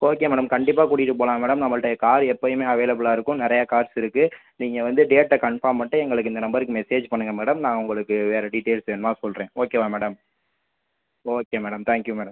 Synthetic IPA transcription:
oːkeːmeːɽɐmkɐɳɖɪp̬ːaːkʊɽɪjɪʈːɯpoːlãːmeːɽɐmnɐmːɐɭɽɐjɐkaːɾɛpːɐjɯmeːɐʋeːlɐbɯɭaːɪɾɯkːʊ̃nɪɾɐjɐkaːɾsɪɾɯkːɯniːŋɡɐʋɐnd̪ɯɖeːʈːɐkɐɳfaːɾmpɐʈːɯɛŋɡɐɭɯkːɯɪnd̪ɐnɐmbɐɾɯkːɯmɛseːd͡ʒpɐɳːɯŋɡɐmeːɽɐmnãːŋʊŋɡɐɭɯkːɯʋeːɾɐɖɪʈːeːlsɛnmaːsɔlɾẽːoːkeːʋaːmeːɽɐm | oːkeːmeːɽɐmt̪aːŋkjumeːɽɐm

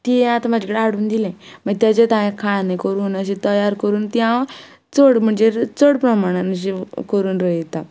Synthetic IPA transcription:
t̪iẽat̪amad͡ʑʱakəɽeaɽuːnd̪ilɛ̃məɡt̪jat͡ɕet̪ãjẽkʰaɭnekəɾuːnəɕet̪əjaɾkəɾuːnt̪jã | t͡səɽm̤əɳd͡zet͡səɽpɾəmaɽ̃anɕ̬ekəɾuːnɾəet̪a

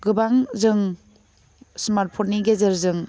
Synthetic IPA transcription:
ɡɯbaŋzɯŋ | smaɾt̚pʰɔtniɡezeɾzɯŋ

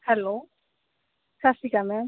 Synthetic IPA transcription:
hɛlo | kʰasikamɛ

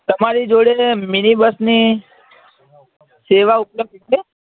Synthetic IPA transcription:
t̪əmaɾid͡ʒoɽeminibəsni | seʋaʊpləb̚d̪t͡ʃe

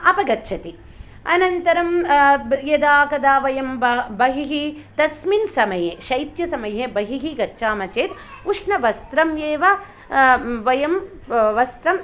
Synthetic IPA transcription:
ɐpɐɡɐtːʃʰɐt̪i | ɐ̰nɐnt̪ɐɾɐm | jɐd̪aːkɐd̪aːʋɐjɐmbbɐɦiɦid̪ɐsminsɐmɐjeʃɐjt̪jɐsɐmɐjebɐɦiɦiɡɐtːʃaːmɐt͡ʃeːt̪uʂnɐʋɐst̪ɾɐmjeːʋɐ | ʋɐjɐm | ʋɐst̪ɾɐm

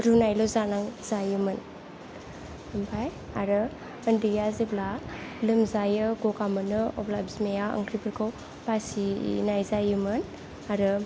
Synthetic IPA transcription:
ɾunajlozanaŋzajɯmɯn | ɯmbʰaj | aɾɯ | əndijaziblalɯmzajɯɡokamɯnɯɔ̰blabzmejaə̰ŋkʰɾibɯɾkʰaw | pasinajzajɯmɯn | aɾɯ

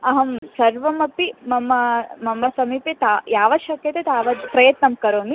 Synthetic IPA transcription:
ɐɦɐmsɐɾʋɐmɐpːimɐmːɐmɐmːɐsɐmiːpet̪aːjaːʋɐʃɐkjɐt̪et̪aːʋɐd͡ʒpɾɐjɐt̪nɐmkɐɾoːmi

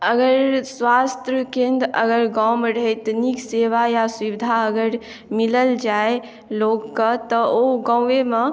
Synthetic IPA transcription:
əɡəɾswast̪ɾəkẽnd̪ə̰ɡəɾɡawmɾəɦɛt̪nikseʋajaswibid̪ʱaəɡəɾ | miləld͡ʒae | loɡkət̪əoɡãweme

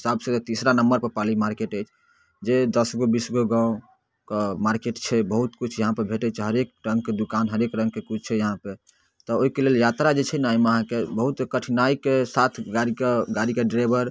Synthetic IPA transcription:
ɦisabset̪t̪isɾanəmbəɾpəɾpalimaɾkeʈəjt͡ʃʰ | d͡ʒed̪əsɡobisɡoɡãõ | kmaɾkeʈt͡ʃʰɛbəɦut̪kut͡ʃʰjəɦãpebʱeʈɛt͡ʃʰɛɦəɾek̚ɾə̃ŋɡked̪ukanɦəɾekɾə̃ŋɡ̚kekut͡ʃʰt͡ʃʰɛjəɦãpe | t̪ɔoɦikeleljat̪ɾad͡ʒet͡ʃʰɛnajmeəɦãkebəɦut̪kəʈʰinaikesat̪ʰɡaɾikeɡaɾikeɖɾajbʱəɾ

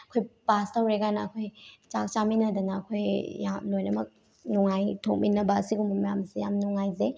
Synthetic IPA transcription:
ɐkʰojpastawɾeɡanɐːkʰojt͡ʃak̚t͡ʃaminɐdɐnɐːkʰojːamlojnɐmɐk̚ | nuŋajtʰok̚minɐbɐːsiɡumɐmɐjamseja̰mnuŋajze

